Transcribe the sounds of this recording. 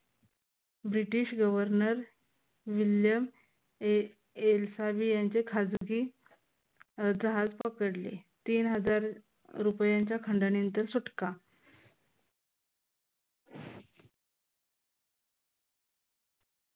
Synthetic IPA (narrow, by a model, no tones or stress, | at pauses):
bɾiʈiɕɡəʋəɾnəɾ | ʋiljəm | elsabiːjaɲt͡ɕekʰad͡zɡiː | d͡zəɦad͡zpəkəɽlḛt̪iːnɦəd͡zaɾ | ɾupjaɲt͡ɕjakʰəɳɖəɳint̪əɾsuʈka